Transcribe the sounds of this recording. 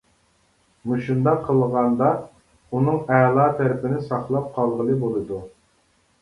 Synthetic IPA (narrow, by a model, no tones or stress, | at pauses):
muʃund̪ɑqʰːəlˠʁɑnd̪ɑ | unɨŋæːlˠɑːt̪ʰæɾɪpɪnɪsɑχlˠɑp̚qʰɑlˠʁəlˠɨbolˠɨd̪u